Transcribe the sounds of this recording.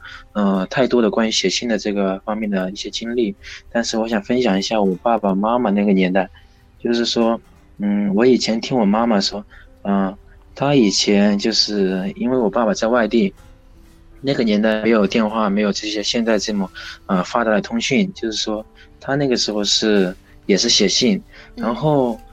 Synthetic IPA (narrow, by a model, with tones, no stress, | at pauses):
ə˥˧t̪ʰa˥˩ɪt̪wɔ˥ɾə˨kwa˥ny˧˥ɕjɛ˨˩ɕi˥nd̪ə˨ʈ͡ʂɤ˥˩ɡə˩fɑ˥ŋmjɛ˥˩nd̪ə˩i˥˩ɕjɛ˥t͡ɕi˥ŋli˥˩t̪a˥˧nʂɻ̩˥˩wɔ˧˥ɕjɑ˨˩ŋfə˥nɕjɑ˨˩ŋi˧˥ɕja˥˩wɔ˨˩pa˥˩pa˨ma˥ma˨na˥˩ɡə˩njɛ˧˥nt̪a˥˩ɪ | t͡ɕjo˥˧ʊʂɻ̩˥˩ʂwɔ˥ | n̩˥˩wɔ˧˥i˨˩t͡ɕʰjɛ˧˥nt̪ʰi˥ŋwɔ˨˩ma˥ma˨ʂwɔ˥ə˧˩ | t̪ʰa˥i˨˩t͡ɕʰjɛ˧˥nt͡ɕjo˥˧ʊʂɻ̩˥˩i˥nwe˥˩ɪwɔ˨˩pa˥˩pa˨˩t͡sa˥˧ɪwa˥˧ɪt̪i˥˩ | na˥˩ɡə˩njɛ˧˥nt̪a˥˩ɪm˧˥ɪjo˨ʊt̪jɛ˥˧nxwa˥˩me˧˥ɪjo˨˩ʊʈ͡ʂɤ˥˩ɕjɛ˥ɕjɛ˥˧nt͡sa˥˧ɪʈ͡ʂɤ˥˩mə˩ə˧fa˥t̪a˥˩t̪ʰʊ˥ŋɕy˥˩nt͡ɕjo˥˧ʊʂɻ̩˥˩ʂwɔ˥ | t̪ʰa˥na˥˩ɡə˩ʂɻ̩˧˥xo˥˧ʊʂɻ̩˥˩ | jɛ˨˩ʂɻ̩˥˩ɕjɛ˨˩ɕi˥˩nɻa˧˥nxo˥˩ʊ